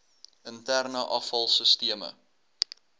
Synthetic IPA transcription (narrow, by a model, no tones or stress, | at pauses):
əntærnəʔɐfɐlˠsəstiəmə̰